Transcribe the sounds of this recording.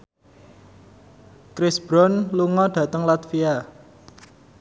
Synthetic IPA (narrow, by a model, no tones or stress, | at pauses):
kɾɪsb̥ɾɔnluŋɔɖ̪̥ä̤t̪əŋlat̪fia